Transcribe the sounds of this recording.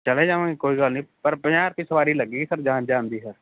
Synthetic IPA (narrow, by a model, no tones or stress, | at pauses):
t͡ʃɐled͡ʒaːʋãikoːiɡalnĩpɐɾpəaːɾt̪isɐʋaːɾilɐɡiːɡisəɾd͡ʒãːd͡ʒãːnd̪iːsəɾ